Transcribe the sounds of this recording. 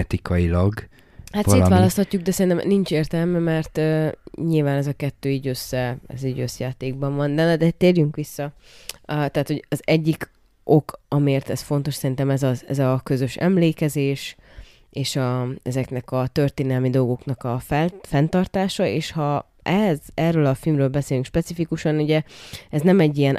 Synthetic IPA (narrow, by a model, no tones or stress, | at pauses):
ɛt̪ikʰɒilɒɡ | hat̪seːltʋaːlɒst̪hɒcːuɡ̚d̪ɛsɛɾint̪ɛmnint͡ʃeːrt̪ɛlmɛmɛrt̪øːɲilvaːnɛzɒkɛt̪ːøːiːɟøsːɛɛ̰ziːɟøsjaːt̪eːɡ̚bɒɱvɒnd̪ɛnd̪ɛt̪eːrjyŋkʋisːɒ | t̪ɛːt̪ho̞ɟɒzɛɟːik | ʔo̞kʰɒmieːrt̪ɛsfo̞nt̪o̞ʃsɛɾint̪ɛmɛzɒɛ̰zɒkø̞zø̞ʃɛ̰mleːkɛzeːʃ | eːʃɒɛzɛknɛkɒt̪ø̞rt̪eːnɛlmid̪o̞lɡo̞knɒkɒfɛfɛnt̪ɒrt̪aːʃɒḛːʃhɒ | ɛɛzɛrøːlɒfilmrøːlbɛseːlyŋkʃpɛt̪sifikuʃɒnuɟɛɛznɛmɛɟːijɛn